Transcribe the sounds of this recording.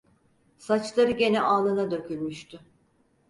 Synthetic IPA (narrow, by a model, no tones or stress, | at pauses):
sat͡ʃlˠaɾɯɟe̞nɛʔaːlˠɯnad̪ø̞kʰylʲmyʃt̪y